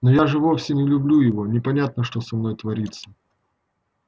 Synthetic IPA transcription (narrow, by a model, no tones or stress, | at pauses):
nojaʐɨvo̞fsʲɪnʲɪlʲʊblʲujɪvo̞nʲɪpɐnʲat̪̚nəʂt̪o̞sɐmno̞jt̪vɐɾʲit̪sːə̥